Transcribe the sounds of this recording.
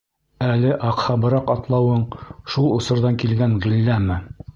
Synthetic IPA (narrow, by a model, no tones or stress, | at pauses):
ælɘʔɑqhɑbɤ̆ɾɑqɑt̪lˠɑwɤɴʃulˠŏsɤ̆ɾðɑŋkilɡæŋʁilːæmɘ